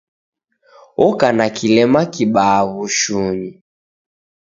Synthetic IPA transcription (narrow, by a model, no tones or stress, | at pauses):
ɔkanakilɛmakiɓaːβuʃuɲi